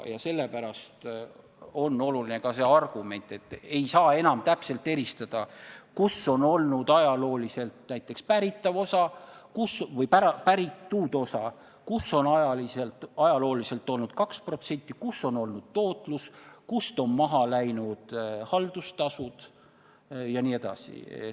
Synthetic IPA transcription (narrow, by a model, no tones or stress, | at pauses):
jɑse̞lːe̞pæɾɑst̪ | o̞nːo̞lulinekɑse̞ɑrɡ̥ume̞nʲt̪ːˑe̞t̪ːˑe̞jsɑːe̞nɑmt̪æpse̞lt̪ːe̞ɾist̪ɑd̪̥ɑkuso̞no̞lnud̪̥ɑjɑlo̞ːlise̞lt̪næjt̪ːˑe̞kspæɾit̪ːˑɑvo̞sɑkusvɤjpæɾɑpæɾit̪ːuːd̪o̞sɑ | kusːo̞nɑjɑliselt̪ɑjɑlo̞ːlise̞lt̪ːˑo̞lnud̪̥kɑkspro̞t̪se̞nʲt̪ːˑikusːo̞no̞lnud̪̥̚t̪o̞ːt̪ˑluskust̪o̞nmɑɦɑlæjnud̪̥hɑld̪̥ust̪ɑsud̪̥ | jɑnie̞d̪ɑ̰sḭ